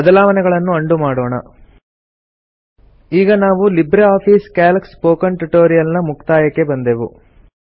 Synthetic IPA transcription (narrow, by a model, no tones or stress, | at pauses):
bɐd̪ɐlaːʋɐnɛɡɐɭɐnːuɐɳɖumaːɽɔːɳɐ̰ | iːɡɐnaːʋulibɾeaːpʰiːskaːlɐkspoːkɐɳʈuʈoːɾijɐlnɐmukt̪aːjɐkːe̞bɐnd̪eːʋṵ